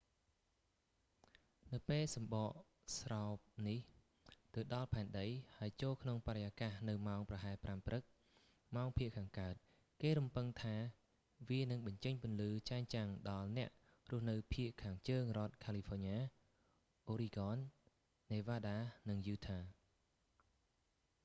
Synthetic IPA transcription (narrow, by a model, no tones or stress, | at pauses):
nɨwpeːlsɑmɓɑːʔ | sraɔp̚nih | t̪ɨwɗɑlpʰaɛnɗəjhaəjt͡ɕoːlkʰnoŋpaɾəjaːkahnɨwmaɔŋprɑɦaɛpramprɨk̚ | maɔŋpʰiəʔkʰaːŋkaət̪̚ | keːɾumpɨŋt̪ʰaː | ʋiənɨŋɓɑɲt͡ɕəɲpʊənlɨːt͡ɕaɛnt͡ɕaŋɗɑlnɛ̆əʔ | rʊ̆əhnɨwpʰiəʔkʰaːŋt͡ɕəːŋrŏət̪̚kʰaːlifʰoːɲaː | ʔoːɾiɡɑːnː | eːʋaːɗaːnɨŋjuːt̪ʰaː